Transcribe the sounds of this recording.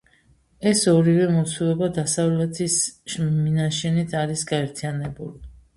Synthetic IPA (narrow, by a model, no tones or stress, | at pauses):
ɛsɔɾivɛmɔt̪sʰulɔbad̪asavlɛt̪ʰisminaʃɛnit̪ʰaɾisɡaɛɾt̪ʰijanɛbuli